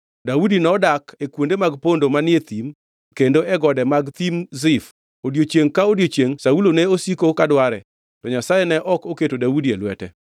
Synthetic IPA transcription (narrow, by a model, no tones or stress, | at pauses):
daudinɔdakekwondemaɡpondomanɪet̪im | kendoɛɡɔdɛmaɡt̪imzɪf | odjot͡ʃjeŋkaodjot͡ʃjeŋsaulonɛosikokadwaɾɛ | tɔɲasajenɛʔɔkoketodaudielwɛ̰tɛ̰